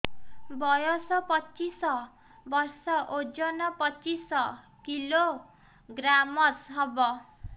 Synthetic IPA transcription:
bʌjɔsʌpʌt͡sisʌ | bʌrsʌʔod͡zʌnʌpʌt͡sisʌ | kilo | ɡramʌsɦʌbʌ

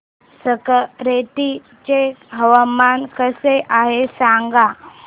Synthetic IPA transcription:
səkəɾeʈ̪i | t͡ɕeɦəʋəmankəseʔaɦesaŋɡa

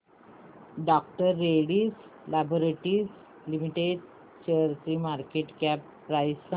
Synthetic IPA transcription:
ɖɔk̚ʈəɾːeɽiːs | laboɾeʈiːs | limiʈeɖ | ɕeəɾtɾiːmaɾkeʈkapːɾajs

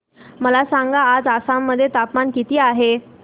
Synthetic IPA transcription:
məlasaŋɡaːd͡zasamːəd̪ʱːjet̪apmankit̪iːaɦe

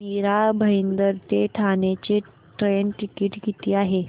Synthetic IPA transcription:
miɾabʱəind̪əɾt̪eʈʰanet͡ɕe | ʈɾenʈikiːʈɡit̪iːaɦe

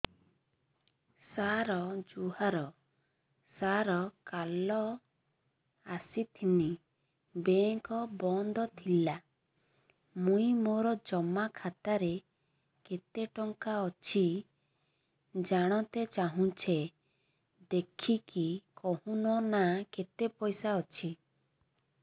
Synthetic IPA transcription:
saɾɔd͡ʒuɦaɾɔ | saɾɔkalɔ | asit̪ʰini | beŋkɔbɔnd̪ɔt̪ʰila | mũĩmoɾɔd͡ʒɔmakʰat̪aɾe | ket̪eʈɔŋkaɔt͡ʃʰi | d͡ʒaɽ̃ɔ̃t̪et͡ʃaɦũt͡ʃʰe | d̪ekʰikikɔɦũnɔnaket̪epɔjsaɔt͡ʃʰi

